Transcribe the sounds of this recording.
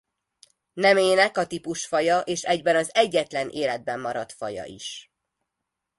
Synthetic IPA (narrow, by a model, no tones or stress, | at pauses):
nɛmeːnɛkɒt̪ipuʃfɒjɒʔeːʃɛɟbɛnɒzɛɟːɛt̪lɛnʔeːlɛd̪̚bɛmːɒɾɒt̪fɒ̰jɒ̰ʔḭʃ